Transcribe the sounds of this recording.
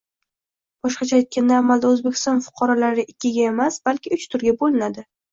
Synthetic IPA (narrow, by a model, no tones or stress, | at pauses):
b̥ɒʃqɑt͡ʃʰaːjt̪̚kʲand̪aːmːald̪aɵzbekʲʰɪ̥st̪ɒnfʊ̥qʰɑɾɒlaɾɪʔɪkʲːɪɡʲae̞masb̥alkʲɪʊt͡ʃt̪ʰʊɾɡʲabolɪnad̪ɪ